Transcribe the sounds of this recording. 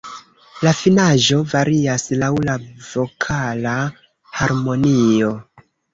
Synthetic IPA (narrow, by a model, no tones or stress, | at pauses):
lafinaʒo̞vaɾiaslawlavo̞kʰala | haɾmo̞nio̞